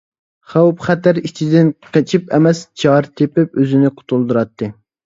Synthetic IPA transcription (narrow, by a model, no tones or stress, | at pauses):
χæwpχæt̪æɾit͡ʃʰid̪ɪnqʰet͡ʃʰipɛmɛst͡ʃʰɑɾt̪ʰepɪp̚øzɪnɪqʰʊ̥t̪ʰulˠd̪uɾɑt̪ːɨ